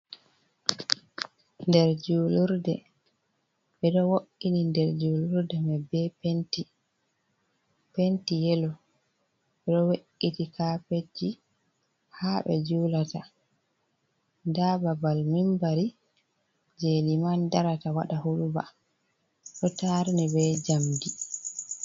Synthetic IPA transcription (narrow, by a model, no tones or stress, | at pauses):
ndɛɾd͡ʒuluɾdɛ̰ | ɓɛɗɔwoʔːinindɛɾd͡ʒuluɾdɛmɛbɛpenti | pentijɛlɔ | ɓɛɗɔweʔːitikaped͡ʒi | haɓɛ̰d͡ʒulata | dababalmimbaɾi | d͡ʒelimandaɾatawa̰ɗahuɗuba̰ | ɗɔtaɾnɛbɛd͡ʒamdi